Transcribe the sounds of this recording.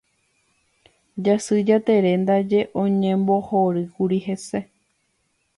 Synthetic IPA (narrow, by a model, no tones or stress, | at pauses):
d͡ʒasɨd͡ʒat̪e̞ɾe̞nd̪ad͡ʒe̞ʔõ̞ɲẽmbo̞hoɾɨkuɾihe̞se̞